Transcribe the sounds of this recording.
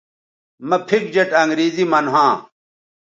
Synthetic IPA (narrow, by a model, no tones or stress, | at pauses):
mɐpʰik̚d͡ʑɐʈɐŋɡɾiːzimɐnɦãː